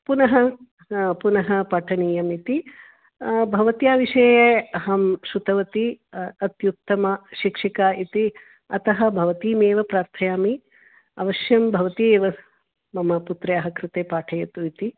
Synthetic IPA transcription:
punɐɦɐ | punɐɦɐpɐʈʰɐniːjɐmit̪i | bʱɐʋɐt̪ijaːʋiʃɐːjɐɐɦɐmʃut̪ɐʋɐt̪iɐt̪jut̪ːɐmɐʃikʂikaːit̪i | ɐt̪ɐɦɐ̆bʱɐʋɐt̪iːmeːʋɐpɾaːɾt̪ʰɐjaːmi | ɐʋɐʃjɐmbʱɐʋɐt̪ieːʋɐ | mɐmɐput̪ɾɐjɐɦɐkɾɪt̪eːpaːʈʰɐjɐt̪uit̪i

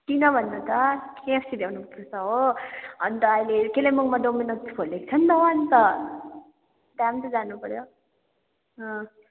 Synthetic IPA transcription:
kinʌbʱʌnːʌt̪ʌkʰepʰsid̪ewnupurt͡sʰʌɦoʌnt̪ʌːjlekelemuŋmad̪ominʌkt͡sʰi̥pʰolek̚t͡sʰʌnt̪ʌɦwant̪ʌ | d̪amt̪ʌd͡zanupʌɾjo | ɦʌ̃

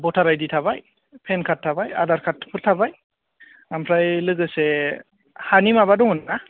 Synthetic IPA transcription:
bɔtʰaɾajditʰabaj | pʰenkʰatʰːabaja̰daɾkʰatʰːpʰɯɾtʰabaj | ampʰɾajlɯɡɯse | hanimabadɔŋɯnna

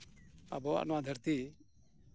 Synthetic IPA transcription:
a̰bɔa̰ʔnɔwad̪ʱəɾt̪i

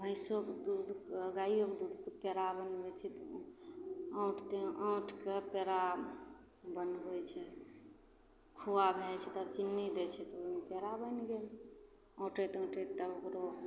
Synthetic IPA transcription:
bʱə̃ɪsokd̪ud̪ʱkɡaijokd̪ud̪ʱkepeɾabənbɛt͡ʃʰɛt̪ | ə̃ʊʈʰt̪eʔə̃ʊʈʰkepeɾa | bənbɛt͡ʃʰɛ | kʰuwabʱelt͡ʃʰɛt̪ːbt͡ʃinːid̪ɛt͡ʃʰɛt̪oimepeɾabənɡel | ə̃ʈet̪ə̃ʈet̪ːəbokɾo

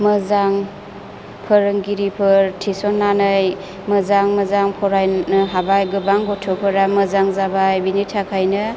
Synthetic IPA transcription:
mɯzaŋ | pʰəɾɯŋɡiɾipʰɯɾtʰisɔnːanɯj | mɐzaŋmɐzaŋpʰɔɾajnɯɦabajɡɯbaŋɡɔtʰɔpʰɯɾamɐzaŋzabajbinitʰakʰajnɯ

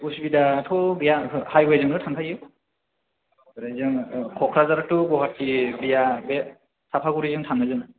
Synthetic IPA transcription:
usbidatʰɔbijahajwajzɯnɯtʰantʰaiɯ | ɾazɯŋkʰɔkʰɾazaɾatuɡɔɦatːibijabe | sapʰaɡuɾizɯŋtʰanːazɯnɯ

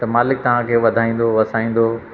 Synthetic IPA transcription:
t̪ɐmaːlɪk̚t̪ɐʋ̤ãkʰeːʋɐd̪ʱaːĩːn̆d̪oʋɐsaːĩːn̆d̪o

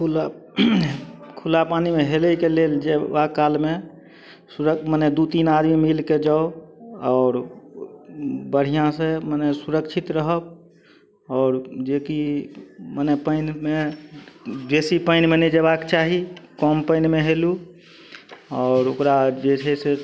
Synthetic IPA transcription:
kʰula | kʰulapanimeɦeləikeleld͡ʒebakːalme | suɾəkməned̪ut̪inad̪mimilked͡ʒaoɔːɾ | bəɽ̤ijãsemənɛsuɾəkt͡ʃʰit̪ɾəɦəb̚ | ɔːɾd͡ʒeki | mənɛpəɪnme | besipəɪnmened͡ʒeβakt͡ʃaɦikɔmpəɪnmeɦelu | ɔːɾokɾad͡ʒet͡ʃʰɛse

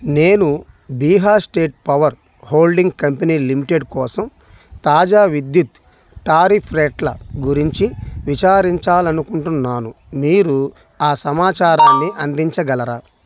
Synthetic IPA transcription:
ne̞ːnu | biːɦaːsʈe̞ːʈ̚pɐʋɐɾ | hoːlɖiŋɡkɐmpɐniːlimiʈeɖkɔːsɐm | t̪aːd͡ʒaːʋid̪jut̪ | ʈaːɾipʰɾeʈlɐɡuɾiɲt͡ʃiʋit͡ʃaːɾiɲt͡ʃaːlɐnukuɳʈunːaːnu | miːɾu | aːsɐmaːt͡ʃaːɾaːnːiʔɐnd̪iɲt͡ʃɐɡɐlɐɾa

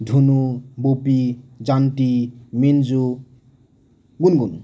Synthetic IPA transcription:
dʱunubopid͡zantimend͡zu | ɡunɡun

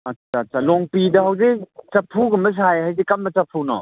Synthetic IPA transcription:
ɐtsaːtsalɔŋpidɐhawzet͡ʃɐpʰuɡɐmbɐs̬ajɦajzekɐmbɐt͡ʃɐpʰunɔ̰

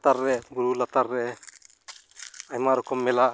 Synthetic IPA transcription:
t̪aɾːɛbuɾulat̪aɾːɛ | ajmaɾɔkɔmːɛla

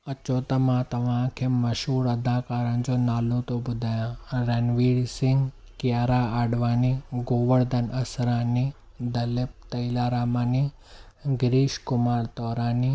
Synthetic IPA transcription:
ɐt͡ɕoːt̪ɐmãt̪ɐʋ̤ãːkʰeːmɐʃɦuːɾɐd̪ʱaːkaːɾəñɪ̆d͡ʑoːnaːlot̪obʊd̪ʱaːjãɾeːnʋiːɽsɪ̃ŋɡ | kɪjaːɾaːaːɖʋaːniɡoːʋəɽd̪ɐnɐsɾãːni | d̪ɐlɪp̚t̪ɐilaːɾaːmaːni | ɡɾiːʃkʊmaːɾt̪ɔːɾaːni

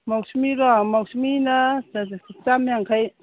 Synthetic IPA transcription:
mawsmiɾamawsmina | t͡ʃamjaŋkʰaj

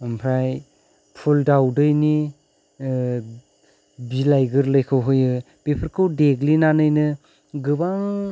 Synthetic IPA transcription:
ɯmpʰɾaj | pʰuldawdɯjni | bilajɡɯɾlɯjkʰɯwɦɯjɯ | b̥epʰɯɾkʰɯwdeɡlinanɯjnɯ | ɡɯbaŋ

